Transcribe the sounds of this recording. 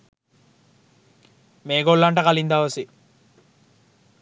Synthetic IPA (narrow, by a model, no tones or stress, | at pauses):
meːɡolːaɳʈɐkɐlind̪aːʋɐsi